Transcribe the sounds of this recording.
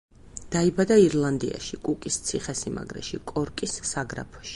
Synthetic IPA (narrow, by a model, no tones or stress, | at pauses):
d̪̥aibad̪aiɾlˠand̪ia̰ʃikʼukʼist̪sʰiχɛsima̰ɡɾɛ̰ʃikʼɔɾkʼisːaɡɾa̰pʰɔ̥ʃi̥